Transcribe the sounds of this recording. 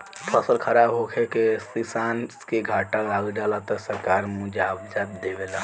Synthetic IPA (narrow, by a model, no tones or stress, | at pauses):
pʰəsəlkʰɐɾaːbɦokʰekesisaːnskeɡʱaːʈãlaːɡd͡ʒaːlat̪ɔsɐɾkaːɾmʊd͡ʒaːbd͡ʒaːb̚d̪ebela